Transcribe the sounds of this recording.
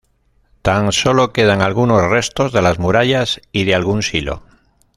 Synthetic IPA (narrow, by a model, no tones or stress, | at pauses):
t̪aŋso̞loke̞ð̞aŋalɣuno̞sre̞st̪o̞zðe̞lazmuɾaʎasiðealɣunsilo̞̰